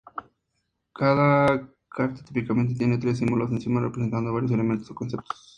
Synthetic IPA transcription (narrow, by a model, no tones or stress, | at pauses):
kaða | kʰaɾt̪e̥t̪ipikament̪̬e̞t̪jenet̪ɾes̬ːimbulosensimarepɾese̞nt̪and̪oβaɾjos̬ele̞ment̪osokonse̞p̚t̪o̥s